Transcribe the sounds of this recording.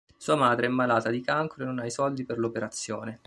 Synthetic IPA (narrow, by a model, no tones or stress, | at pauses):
suːamaːd̪ɾeɛmːalaːt̪ad̪ikaŋkoɾoenːonaisɔld̪iperlopeɾat̪sːjoːne